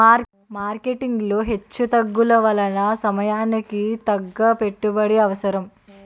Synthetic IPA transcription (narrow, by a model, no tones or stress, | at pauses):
maːɾkeʈiŋɡloɦe̞t͡ʃːut̪ɐɡːulɐʋɐlɐnɐsɐmɐjaːnikit̪ɐɡːɐpe̞ʈːubɐɽiɐʋɐsɐɾɐm